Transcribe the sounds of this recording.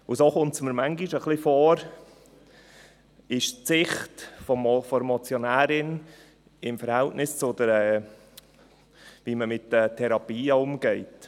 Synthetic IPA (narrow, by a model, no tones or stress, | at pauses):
ʊsoχʊnt͡sməɾmaŋɡiʃəχlifoːɾ | ɪʃt͡sɪχtfɔmfɔɾmɔt͡sjonæːɾɪn | ɪmfəɾhɛltnɪst͡sodəɾɛː | viːməmɪtːətʰɛɾɑpiːəʊmɡ̥ɛɪt